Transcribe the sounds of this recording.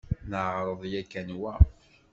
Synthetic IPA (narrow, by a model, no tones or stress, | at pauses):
nəʕɾˤəðˤjækːænwæ